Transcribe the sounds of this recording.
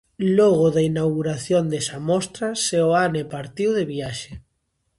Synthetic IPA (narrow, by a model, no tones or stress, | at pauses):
loɣoðainawɣuɾaθjond̪esamɔst̪ɾaseoanepaɾt̪iwðeβiaʃe